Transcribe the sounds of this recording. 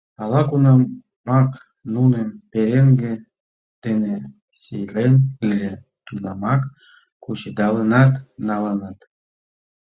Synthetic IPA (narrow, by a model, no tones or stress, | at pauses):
ɑlɑkunɑ | mɑk | nunempeɾeŋɡe | d̪̥ene | sijɾʲenɯlʲe | t̪unɑmɑk | kut͡ɕed̪ɑlənɑt̪nɑlənɑt̪